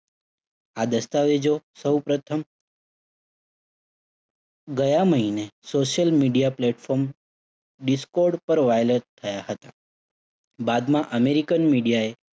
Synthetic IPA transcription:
ad̪əst̪aʋed͡ʒosəwpɾət̪ʰəm | ɡəjaməɦinesoʃjəlmiɖijaplɛʈfɔɾm | ɖiskoɾɖpəɾʋajlət̪ʰːəjaɦət̪a | bad̪mãʔəmeɾikənmiɽijae

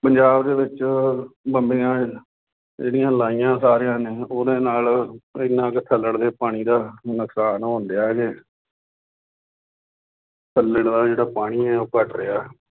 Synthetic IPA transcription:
pəɲd͡ʒaːbd̪eːʋɪt͡ʃ | bəmbeːãː | d͡ʒeːɽijãːlaːijãːsaːɾejãːneːoːd̪ẽːnaːlɪnãːkt̪ʰəlːəɽd̪eːpaːɽ̃iːd̪aːnəksaːnɦõnd̪eaːɛke | t̪ʰəlːəɽd̪aːd͡ʒeːɽaːpaːɽ̃iːɛːoːkəʈɾɪaː

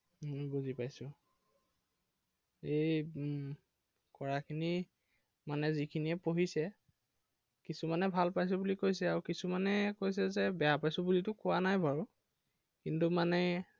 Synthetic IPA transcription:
mɔbuzipajsʊ̃ | ej | kɔɹakʰini | manɛzikʰiniɛpoɦisɛ | kisumanɛbʱalpajs̬ʊbulikojsɛaɹukisumanɛkojs̬ɛzɛbɛjapajsʊ̃bulitʊkʊwanajbʱaɹu | kintumanɛ

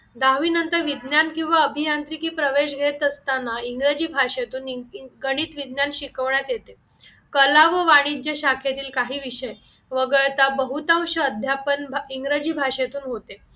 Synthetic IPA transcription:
d̪aʋiːnənt̪əɾʋid̪njankĩw̃ʋaəbʱijant̪ɾikiːpɾəʋeɕɡʱet̪əst̪anːaiŋɡɾəd͡ʑiːbʱaʂat̪uːnɡəɽ̃iːt̪ʋid̪njanɕikəʋɳjat̪jet̪e | kəlaʋəʋaɽ̃id͡ʑjəɕakʰjat̪iːlkaɦiːʋiɕəj | ʋəɡəɭt̪abəɦut̪ãwɕəəd̪ʱjapənbiŋɡɾəd͡ʑiːbʱaʂat̪uːnɦot̪e

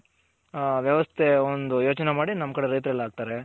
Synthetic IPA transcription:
ʋjɐʋɐst̪ʰeond̪ujo̞ːt͡ʃɐnemaːɽinɐmːkɐɽeɾɐjt̪ɾɐlːaːɡ̚t̪aːɾe

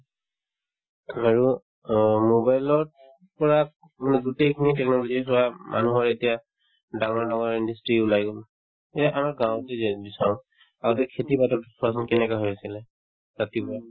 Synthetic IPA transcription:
amaɹu | mobajlɔɹ | pɔɹa | manɛɡutekʰinitɛknɔlozisʊamʔa̰nuɦɔɹetija | daŋɔɹdaŋɔɹindustɹiulajɡol | etaʔamaɹɡãw̃tebisaɹʊ̃ | aɡɔtɛkʰetibatɔtpʰas̬ɔnkɛnɛkaɦojasilɛ | zatipɔja

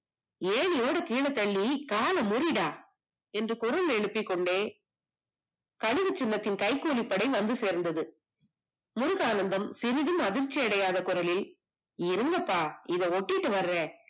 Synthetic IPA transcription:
eːɭɪjoːɽɐkiːɭɐt̪ːɐɭːikaːlɐmʊɾɪɽaː | ɛndrɯkʊɾɐlɛɻɯpːɪkːɔɳɖeː | kɐɻɪʋɯt͡ʃːɪlːɐt̪ːɪnkɐɪkːuːlɪpːɐɽɐɪʋɐnd̪ɯseːɾnd̪ɐðɯ | mʊɾʊɣaːnɐnd̪ɐmsɪɾɪðɯmɐðɪɾt͡ʃːiɐɽɐjaːðɐkʊɾɐlɪl | ɪɾɯnɡ̪ɐpːaːɪðɐɔʈːɪʈːɯʋɐɾːeː

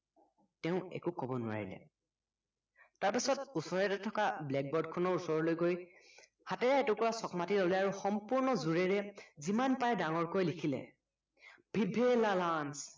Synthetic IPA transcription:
tɛʊ̃ɛ̰kukɔbɔnʊwa̰ɹḭlɛ̰ | taɹpisɔtusɔɹɛtɛtʰɔkablɛk̚bɔɹdkʰɔnɔɹusɔɹɔlojɡoj | hatɛɹaɛtʊkɔɹasɔkmatilɔlɛaɹuxɔmpuɹnɔzuɹɛɹɛzimanpajdaŋɔɹkojlikʰilɛ̰ | bʱibʱelalans

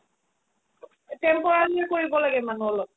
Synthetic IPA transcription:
tɛmpɔɹaɹiɛkoɹibɔlaɡɛmanuɔlɔ

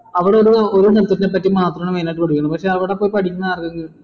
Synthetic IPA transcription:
ɐʋiɽeoɾuoɾusɐt̪ːɐt̪ːinep̬ːɐtːimaːt̪rɐmɳɐʋenaːʈːɨkoɽukʲːɐɳɐpɐkʂe̞ːɐʋiɽepːoːjpɐʈʰikʲːunːɐaːrkɐŋɡɐɭ

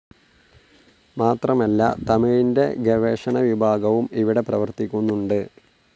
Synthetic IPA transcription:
maːt̪rɐmɐlːɐ̰t̪ɐmiɭinde̞ɡeʋeːʂɐɳɐʋibʱaːɡɐʋumiʋiɽe̞prɐʋɐrt̪ikʲːunːuɳɖɨ

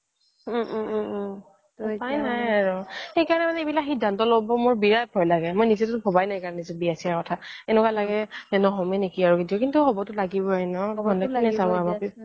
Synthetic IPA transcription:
pajnajaɹʊxejkaɹɔnɛmanɛebilakxidʱantɔlobɔmoɹbiɹajp̚ʰɔjlaɡɛmojnizɛtʊʊbʰʱɔbajnajkaɹɔnɛzɔbiasiaɹkɔtʰaɛnɛkwalaɡɛnɛnɔɦɔmɛnekiaɹuɡidiɔkintuɦɔbɔtʊlaɡibɔainɔɔɡɔnɛkinɛsabɔama

